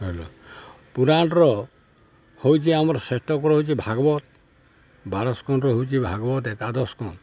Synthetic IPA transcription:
ɦelɔ̰ | puɾanʈɾɔ | hojt͡ʃʰiamɔɾɔsesʈɔkɔɾɔɦojt͡ʃʰibʱaɡɔbɔt̪̚ | baɾɔskɔnɾɔɦowt͡ʃʰibʱaɡɔbɔt̪ekad̪ɔskɔn

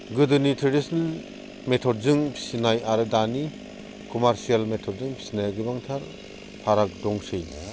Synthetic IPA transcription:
ɡɯdɯnitʰɾedisnal | metʰɔd̚zɯŋpʰi̥sinajaɾɯdani | kɔmaɾsijalmetʰɔd̚zɯŋpʰi̥sinajɡɯbaŋtʰaɾ | pʰaɾak̚dɔŋsɯj

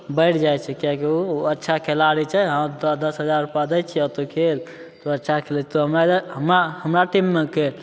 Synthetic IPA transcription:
bəjʈʰd͡ʒajt͡ʃʰɛkiakiuətːʃʰakʰelaɾit͡ʃʰɛɦãd̪əd̪əsɦəd͡ʒaɾːupjad̪ɛt͡ʃʰɛət̪okʰel | t̪oətːʃʰakʰelɛt͡ʃʰɛt̪ɔɦəmɾaɦəmɾahəmɾaʈimːeke

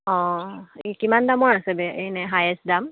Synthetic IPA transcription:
ɔ̃ekimandamɔɹasɛbɛejnɛɦajɛsdam

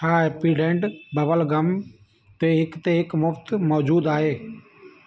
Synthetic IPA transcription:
aːepiːɖẽːɳɖbəʋəlɡəm | t̪eːɦɪkt̪eːɦɪkmʊft̪mɔːd͡ʒuːd̪aːɦeː

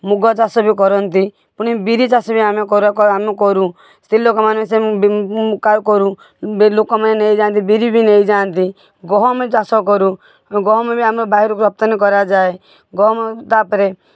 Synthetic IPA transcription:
muɡɔt͡ʃasɔbik̬ɔɾɔnt̪i | pʊɽ̃ibiɾit͡ʃasɔbiamekɔɾɔamekɔɾu | st̪ʰililokɔmansebkajkɔɾu | lokɔmaneneid͡ʒaːnt̪̬ibiɾibʱinejd͡ʒant̪i | ɡɔɦɔmet͡ʃasɔk̬ɔɾu | ɡɔɦɔmebiamɾɔbaɦiɾɔkuɾɔp̚t̪ɔnkɔɾad͡ʒae | ɡɔɦɔmet̪apɔɾe

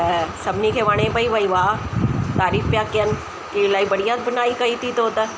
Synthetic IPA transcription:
sɐbnikʰeʋaːɽ̃ẽbʱɐiʋɐiʋaːt̪aːɾiːfpjaːkjən | kilaːibɐɽijat̪bənaːikɐit̪ʰit̪oot̪a

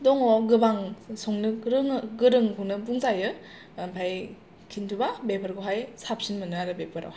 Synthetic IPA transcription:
dɔŋɔɡɯbaŋsɔŋnɯɾɯŋɯɡɯɾɯŋkʰunɯbuŋzajɯ | ampʰaj | kʰintʰubabepʰɯɾɡɯɦajsap̚sinmɯnɯaɾɯbepʰɯɾa̰whaj

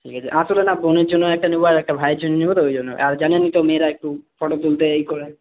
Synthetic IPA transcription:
ʈʰikʰat͡ɕʰiʔãt̪olenaboneɾd͡ʑonːoɛk̚ʈaniboaɾɛk̚ʈabʱajɾd͡ʑonenibot̪oojd͡ʑonːo̰ʔaɾd͡ʑanenːit̪omeɾaek̚ʈufʰɔʈot̪ult̪eejkoɾe

